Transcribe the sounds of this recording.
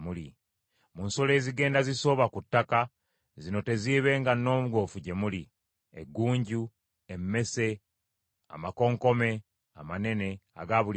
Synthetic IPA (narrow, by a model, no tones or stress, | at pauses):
muli | munsole̞ːziɡe̞ːndaziso̞ːβakutːaka | zino̞te̞ziːβe̞ːŋɡanːo̞ːmuɡo̞ːfuɟe̞muli | ḛɡːuːɲɟu | emːe̞se | a̰mako̞ːŋko̞me̞ | a̰mane̞ne̞a̰ɡaβul